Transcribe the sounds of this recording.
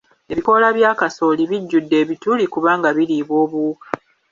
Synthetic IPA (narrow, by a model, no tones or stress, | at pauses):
e̞βiko̞laβjaːkaso̞liβiɟːudːe̞ːβitulikuβaːŋɡaβiliːβo̞ːβuːkḁ